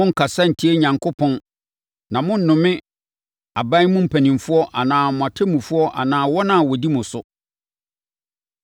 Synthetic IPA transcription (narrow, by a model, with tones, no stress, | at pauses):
mʊ̃˦ŋ̩˨kʰa˨sa˦n̩˨tʰi˦e˦ɲã˨ŋkʰʊ˦pʰɔ̃˦n | nã˨mʊ̃˦n̩˦˨nʊ̃˨mɪ̃˦ | a˨bã˦mʊ̃˦m̩˨pʰæ˨nĩ˨mfʊ˦ɔ˦ʔa˨nãː˨mʊ̃˨a˨tʰɛ˦mũ˨fʊ˦ɔ˦ʔa̰˨nãː˨wɔ˦nã˨wɔ˨di˦mʊ̃˨sʊ˦